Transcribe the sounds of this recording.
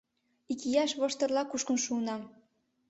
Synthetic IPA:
ikijɑʃβɤ̆ʃt̪ɤ̆rlɑkuʃkɤ̆nʃuːnɑ

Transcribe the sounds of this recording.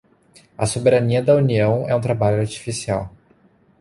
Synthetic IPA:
ɐsobeɾaniɐd̪ɐuniɐ̃w̃ɛũt̪̬ɾabaʎʊaɾt͡ʃi̥fisiaw

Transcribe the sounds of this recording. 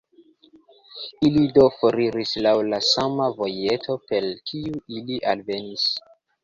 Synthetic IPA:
ilido̞foɾiɾislawlasamavo̞je̞tʰo̞pe̞lkʰiuiliʔalve̞nis

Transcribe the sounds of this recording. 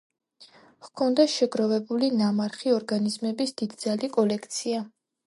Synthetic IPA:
χkʰɔnd̪aʃɛɡɾɔvɛbulinamaɾχiɔɾɡanizmɛbisd̪̥id̪d̪zalikʼɔlɛkʰt̪sʰia

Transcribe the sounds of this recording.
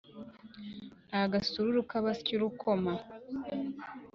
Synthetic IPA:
aaɡasuɾuɾukaβasciɾukʰoma

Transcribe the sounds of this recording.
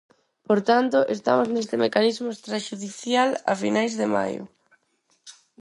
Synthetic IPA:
poɾt̪ant̪ʊʔest̪a̰moznest̪ɪmekanizmʊest̪ɾaʃuðiθjala̰finajzðema̰jʊ̰

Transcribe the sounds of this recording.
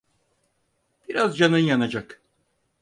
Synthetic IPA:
b̥iɾɑzd͡ʒɑnɨnjɑnɑd͡ʒɑk

